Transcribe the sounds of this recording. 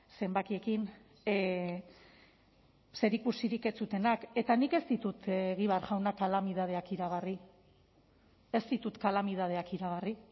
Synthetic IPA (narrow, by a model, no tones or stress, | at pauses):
se̞mbakie̞kin | se̞ɾikusiɾike̞t͡sut̪e̞nake̞t̪anike̞st̪it̪ut̪eɣ̞iβaɾʝawnakalamið̞að̞e̞akiɾaɣari | e̞st̪it̪ut̪kalamiðað̞e̞akiɾaɣ̞ari